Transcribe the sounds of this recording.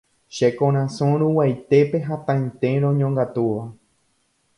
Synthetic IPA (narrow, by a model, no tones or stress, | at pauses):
ʃekõɾ̃ãsõɾ̃ũwajt̪e̞pe̞ɦat̪ãj̃nt̪ẽ̞ɾõɲõŋɡat̪uʋa